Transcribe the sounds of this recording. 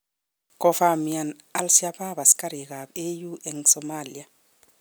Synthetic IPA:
kɔ˨fami˨a˨n | alsi˦apa˦βa˨ska˦ɾi˨ɣa˨be˦ju˦ʔɛŋsɔmalia

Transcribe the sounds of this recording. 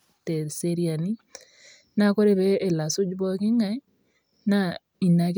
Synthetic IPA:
te˨ɾse˦ɾia˨ni˦ | na˦ko˦ɾe˦βeː˦˨la˨su˦d͡ʒbɔ˦ki˦ŋa˦ | na˦ | i˨na˨k

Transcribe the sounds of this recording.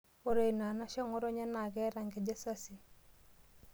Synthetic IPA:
o˨ɾe˨i˨na˨na˦ʃɔ˦ŋɔ˦ɾɔ˦ɲa˦na˨ɡɛ˦ɾa˨ŋɡɛ˨d͡ʒa˦sa˦si˨

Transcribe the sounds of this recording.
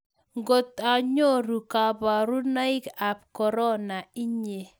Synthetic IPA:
ŋɡo˨t̪a˨ɲo˦ɾu˨ka˨ba˨ɾu˦na˦ɪ˦ka˨pkɔ˨ɾɔ˦na˨i˦ɲe˨

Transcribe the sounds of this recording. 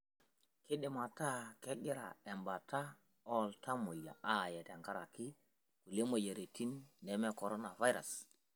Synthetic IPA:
kɪ˦ɗɪ˨ma˨ta˦kɛ˦ɡɪ˦ɾa̰˨ɛ˨mba˨ta˦ | ɔ˦ltʰa˦mo˨ja̰˨ʔa˦˨jɛ˨tɛ˨ŋɡa˦ɾa˨ki˦ | ku˨le˦mo˨ja˨ɾe˨tʰi˦nːɛ˨mɛ˦kɔ˨ɾo˦na˨va˦jɾa̰˨s

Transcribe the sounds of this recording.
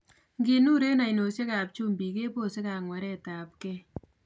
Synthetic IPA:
ŋɡi˨nu˦ɾe˦na˨i˨no˨se˦ka˨p̚t͡ʃu˦mbi˨ke˦po˦˨se˦ka˨ŋwa˨ɾɛ˦ta˨p̚kɛ˦

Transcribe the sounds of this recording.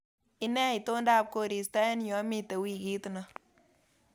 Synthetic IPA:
ɪ˦nɛ˦ɪ˨to˦nda˦˨p̚ko˨ɾi˨sta˦n˦jɔ˨˦mi˦te˨wi˨ki˦tna˨

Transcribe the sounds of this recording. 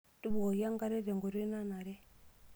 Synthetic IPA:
tu˦bo˨ja˦ŋɡa˦ɾe˦ɾe˨ŋɡo˨ɾe˦na˦na˨ɾɛ˦

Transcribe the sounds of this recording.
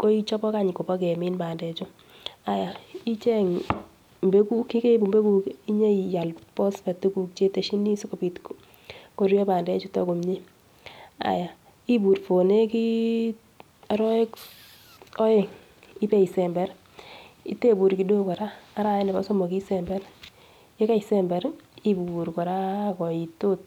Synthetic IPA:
ko˦i˦t͡ʃɔ˦bɔ˦ka˦ɲɪ˨ko˨ba˦kɛ˨mɪ˦nba˨ndɛ˨t͡ʃɔ˦ | a˨ja˨i˦t͡ʃɛ˦ŋ | mbe˦ku˦kːi˦ke˦bu˨mbe˦ku˨ki˦ɲe˦i˨ja˨lpɔ˦spɛ˨tu˦ku˨k̚t͡ʃe˦te˨ʃi˦ni˦so˦ko˨pi˨tk | ko˨ɾjo˦ba˨ndɛ˦t͡ʃu˦tɔ˦ɡo˨mɲi˦ | a̰˨ja˨ | i˦bu˨ɾfo˨ne˦ki˦ | aɾɔ˦e˦k | ɔ˦je˨ŋ | i˦pɛ˦i˨sɛ˨mbɛ˦ɾ | ḭ˦te˦bu˨ɾki˨do˦kɔ˨ɾaː˦ɾa˨˦nɪ˨ba˨˦so˦mɔ˨ki˦sɛ˨mbɛ˦ɾ | je˦ka˦isɛmbɛ˨ɾi˦buɾkɔ˨ɾa˦kɔ˨i˨tot̚

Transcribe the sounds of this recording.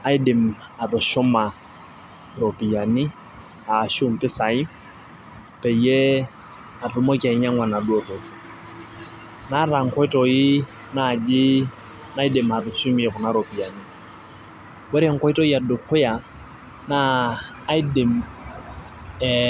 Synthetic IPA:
a˦i˦dɪ˨ma˨rɔ˨ʃɔ˦ma˨ | rɔ˨pi˨ja˨nɪ˦ | aː˨ʃu˦m̩˨tɪ˦sa˨ɪ˦ | pɛ˨ijɛ˦ | a˨rʊ˨˦mɔ˦ka˨i˦ɲa˦ŋwa˨na˨du˦ɔ˨rɔ˨d͡ʒi˨ | na˦ra˨ŋ̩˨kɔ˦i˦tʼɔ˨ɪ˦ | na˦˨d͡ʒɪ˦ | na˦i˦dɪ˨ma˨rɔ˨ʃu˦mɛ˨ɣʊ˨na˦ɾɔ˨pi˨ja˨nɪ˦ | wɛ˦ɾɛ˦ŋ̩˨kɔ˦i˦tɔ˦i˦a˨dʊ˨kʰʊ˦ja˨ | naː˦ | i˦dɪ˨m

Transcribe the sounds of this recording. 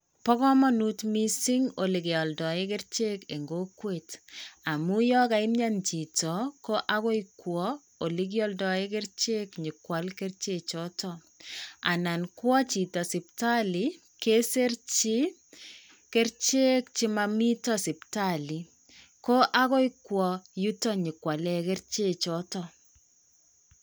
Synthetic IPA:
pɔ˦kɔ˦mɔ˦nu˦tmi˦si˦ŋo˨li˨ke˨ɔ˨ldɔ˨ɪ˦ke˦ɾt͡ʃe˦ke˨ŋɡo˦kwe˨ta˨mu˦jɔ˦ka˨ɪ˦mɲa˦nt͡ʃi˨tɔ˨ko˦ʔa˦ko˦jkwɔ˦ | o˨li˦k̬jɔ˦ldɔ˨ɪ˦k̬e˦rt͡ʃe˦kɲi˨kwa˨˦lke˦rt͡ʃe˦t͡ʃɔ˦tɔ˨ | a̰˨na˨nkwɔ˦t͡ʃi˨tɔ˨sɪ˨p̚ta˦li˨˦ | ke˦se˦rt͡ʃi˦ | ke˦rt͡ʃe˦k̚t͡ʃi˦ma˦mi˦tɔ˦si˨pta˦li˨ | ko˦ʔa˦ko˦ikwɔ˨ju˦tɔ˦ɲɪ˨kwa˨lɛ˦ke˦rt͡ʃe˦t͡ʃɔ˦tɔ

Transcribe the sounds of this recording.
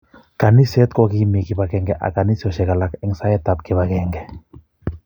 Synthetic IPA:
ka˨ni˦sɛ˦t̪kɔ˦ki˦mi˨kiba˨kɛŋɡɛ˨ʔa̰˨ka˨ni˦sɔ˨ʃɛ˨ka˨la˨kɛ˨ŋsa˦jɛ˦t̪ap̚kɪ˨βa˨kɛŋɡɛ˨

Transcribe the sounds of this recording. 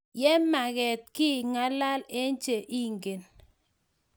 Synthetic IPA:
jɛ˦ma˨ɣɛ˨t̪̚kɪ˦˨ŋa˦la˦le˦nt͡ʃe˨ʔi˦˨ŋɡe˨n

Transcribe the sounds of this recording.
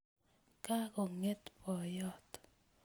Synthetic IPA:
ka˦kɔ˨ŋe˦t̪pɔ˨jɔ˦t̪

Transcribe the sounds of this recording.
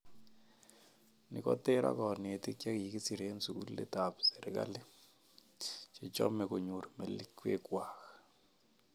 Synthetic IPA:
nɪ̰˨kɔ˦tɪ˦ɾa̰˦kɔ˨nɪ˨e˨tɪ˦kja˦kji˨ki˦si˨ɾe˦nsu˨ku˦lːḛ˦ta˨pse˨ɾɪ˨ka̰˦le˦ | t͡ʃɪ˨t͡ʃɔ̰˦mɛ˨ko˨ɲo˨ɾme˨li˦kːwḛ˦kwa˨kḁ

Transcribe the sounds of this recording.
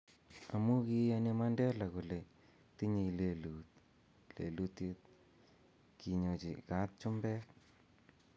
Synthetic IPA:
a˨mu˦ki˦ane˦mandɛ˦la˨ko˨le˨ | ti˦ɲe˧le˨lut̚ | le˨lu˦t̪je˦t̪̚ | ki˨ɲo˨t͡ʃi˨ka˦t̚t͡ʃʊ˦mbɛ˦k

